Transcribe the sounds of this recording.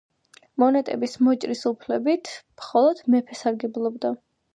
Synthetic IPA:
mɔnɛt̪ʼɛ̰bismɔt͡ʃʼɾisupʰlɛbit̪ʰmχɔlˠɔd̪̥mɛpʰɛsaɾɡɛblˠɔbd̪a

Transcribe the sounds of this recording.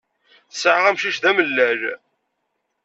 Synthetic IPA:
θsəʕʁæmʃiʃðæməlːæɾ

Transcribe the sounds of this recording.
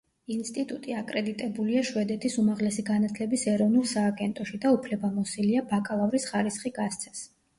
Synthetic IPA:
inst̪ʼit̪ʼut̪ʼiakʼɾɛd̪it̪ʼɛbuliaʃwɛd̪ɛt̪ʰisumaʁlɛsiɡanat̪ʰlɛbisɛɾɔvnulˠsaːɡɛnt̪ʼɔʃid̪aupʰlɛbamɔsiliabakʼalˠavɾisχaɾisχiɡast̪sʰɛ̥s

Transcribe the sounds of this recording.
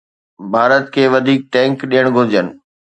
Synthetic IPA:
bʱaːɾət̪kʰeːʋɐd̪ʱiːk̚ʈɛ̃ːŋkɗijəɽ̃ɡʱʊɾd͡ʑənɪ̆

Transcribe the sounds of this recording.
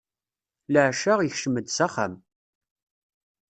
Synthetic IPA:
ləʕʃaʁjəçʃəməd̪saχa̰m

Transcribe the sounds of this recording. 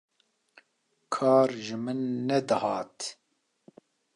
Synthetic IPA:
kʰɑːɾʒɨmɨnːɛd̪ɨhɑːt̪

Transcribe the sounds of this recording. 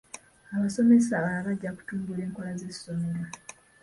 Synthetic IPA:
aβaso̞me̞saβaaβaɟːaku̥tuːmbule̞ːŋko̞laze̞sso̞me̞ɾa

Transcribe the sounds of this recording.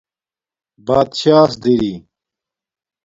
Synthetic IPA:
baːd̪ɕaːsd̪eɾi

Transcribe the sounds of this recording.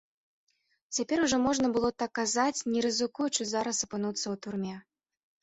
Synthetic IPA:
t͡sʲapʲɛɾuʐɔmɔʐnɐbɨlˠɔt̪akːazat͡sʲnʲɛɾɨzɨkujut͡ʂɨzaɾɐsɐpɨnut̪sːɐwt̪urmʲɛ

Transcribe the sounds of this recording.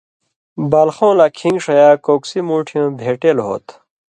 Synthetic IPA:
baːlxõːlakʰĩŋɡʂɐjaːkoːksimuːʈʰijõːbʱeːʈeːlɦo̰ːt̪

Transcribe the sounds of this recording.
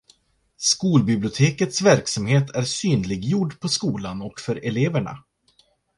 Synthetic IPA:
skuːlbɪblɪʊt̪ʰeːkət̪svæɾksamheːt̪ʰæɾsyːnlɪɡjʊɖpʰɔskuːlanɔkfœɾɛleːvæɳa̰

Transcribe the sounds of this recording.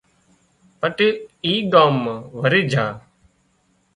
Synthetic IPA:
pəʈiːɡaːmʋəɾiːd͡ʒʱaː

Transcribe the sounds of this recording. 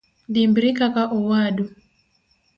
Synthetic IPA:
dimbɾikakaʔɔwaɗu

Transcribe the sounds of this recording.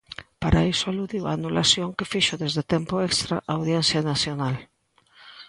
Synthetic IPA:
paɾaisoaluðiwa̰nulasjoŋkefiʃoðezðet̪ɛmpoekst̪ɾa̰ʔawðjɛnθjanaθjonal

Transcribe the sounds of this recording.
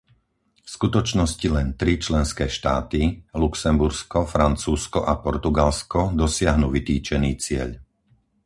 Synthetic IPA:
fskut̪ɔt͡ʃnɔscilɛnt̪ɾit͡ʃlɛnskɛːʃt̪aːt̪iluksɛmbuɾskɔfɾant͡suːskɔʔapɔɾt̪uɡalskɔd̪ɔsɪaɦnuːʋit̪iːt͡ʃɛniːt͡sɪɛ̰ʎ

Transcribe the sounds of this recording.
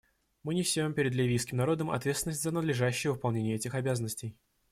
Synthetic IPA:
mɨnʲɪsʲompʲɪɾʲɪd̪lʲɪvʲijskʲɪmnɐɾo̞d̪əmɐ̰t̪vʲet̪sʲɪnəsʲtʲzənəd̪lʲɪʐaɕːɪjəvɨpɐlˠnʲenʲɪjəɛtʲɪxɐbʲazənːəsʲtʲɪj

